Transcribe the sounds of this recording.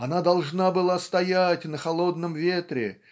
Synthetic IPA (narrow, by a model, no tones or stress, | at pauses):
ɐnad̪ɐlˠʐnabɨlˠast̪ɐjatʲnəxɐlˠo̞d̪nəmvʲet̪ɾʲɪ̰